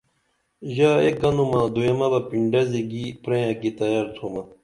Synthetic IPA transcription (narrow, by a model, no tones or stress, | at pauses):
ʑaːḛk̚ɡɐnumãd̪oemɐbɐpiɳɖɐzeɡipɾẽjãkit̪ɐjaːɾt̪ʰomɐ